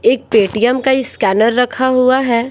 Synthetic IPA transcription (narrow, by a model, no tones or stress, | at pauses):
eːk̚peːʈijəmkaiskɛːnəɾːɐkʰaɦuaɦɛː